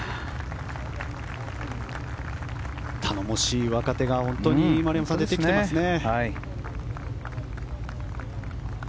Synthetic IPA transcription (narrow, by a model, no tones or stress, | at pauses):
t̪ʰano̞mo̞ɕiːβakat̪e̞ɡahõ̞nt̪o̞ɲ̟imaɾijamasãnd̪et̪ekkiteaasɨne̞